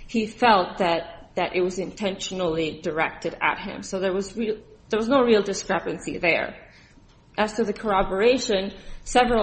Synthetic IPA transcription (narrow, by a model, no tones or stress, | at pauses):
hifɛlˠt̪̚ðɨt̪̚ðɨɾʔɨt̚wʌzɨ̃ntʰɛ̃nʃn̩l̩ˠidə˞ɛk̚tɨɾɨ̰t̚hɪ̰̃msoʊðə˞wʌzɹiðə˞wʌznoʊɹilˠdɨskɹ̥ɛpɨ̃nsḭðə̰˞ | ʔɨz̥tʰɨðɨkʰə˞ɑbə˞eɪʃɨ̃nsɛvɹl